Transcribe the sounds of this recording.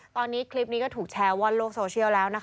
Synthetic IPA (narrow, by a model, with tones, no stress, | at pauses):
t̪ɔː˧nːiː˦˥kʰli˦˥p̚niː˦˥kɔ˥˩t̪ʰuː˨˩k̚t͡ɕʰɛː˦˧wa˧nloː˥˩k̚soː˧t͡ɕʰi˥˩əwlɛː˦˥wna˦˥kʰ